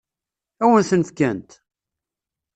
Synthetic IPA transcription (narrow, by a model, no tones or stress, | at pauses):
æwənθənəfkænt̪